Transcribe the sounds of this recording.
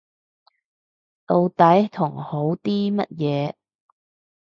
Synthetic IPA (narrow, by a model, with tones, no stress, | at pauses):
lo˨˧wt̪ɐ˨˥jt̪ʰʊ˨˩ŋho˨˥wt̪iː˥mɐ̰˥t̚jɛː˨˧